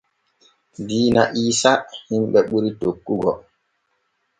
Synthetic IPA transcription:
diːna̰ʔiːsahimɓɛɓuɾitokːuɡɔ

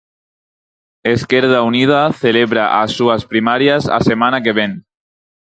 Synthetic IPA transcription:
eskeɾð̞aunið̞aθeleβɾaʔasuaspɾimaɾjasa̰semanakeβen

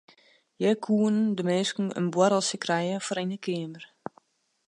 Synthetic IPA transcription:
jɛkʰuːənndəmeːskn̩ə̰nbwaɾəlˠsjəkrɛjəfoɾinəkʰɪəmər

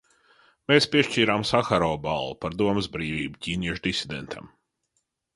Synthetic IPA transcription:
meːspʲiɛʃt͡ʃiːɾamsaxaɾɔːbalˠːupaɾd̪uɔməzbɾiːvʲiːbucʲiːnʲiɛʃd̪isid̪ḛnt̪ʰa̰m

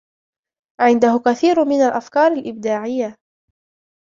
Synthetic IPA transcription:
ʕɪnd̪ahʊkaθiːɾmɪnalʔafkɑːɾˤalʔɪb̚d̪aːʕɪjːa

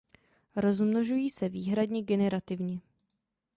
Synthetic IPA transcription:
ɾo̞zmno̞ʒujiːsɛviːɦɾadɲɛɡɛnɛɾat̪ɪvɲɛ

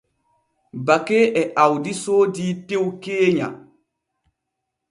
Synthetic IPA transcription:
bakeːʔɛʔawdisoːdiːtewkeːɲa̰

